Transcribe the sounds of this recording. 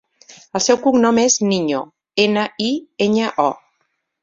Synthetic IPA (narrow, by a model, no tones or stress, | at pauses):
əlˠsɛwkuŋnɔmezniɲo | enəʔieɲəʔɔ